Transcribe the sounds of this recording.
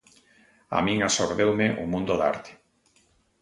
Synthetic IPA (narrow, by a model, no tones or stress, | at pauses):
a̰mĩŋasoɾðewmeʔumũnd̪oða̰ɾt̪e̥